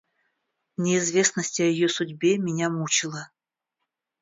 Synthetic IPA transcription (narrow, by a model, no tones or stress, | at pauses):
nʲɪɪzvʲe̞snəsʲtʲɪɐjɪjosʊdʲbʲe̞mʲɪnʲamut͡ɕɪlˠə